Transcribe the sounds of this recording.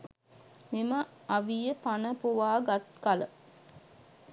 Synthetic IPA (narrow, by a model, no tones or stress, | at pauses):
mimə | aʋijəpanəpuʋaːɡat̪kalə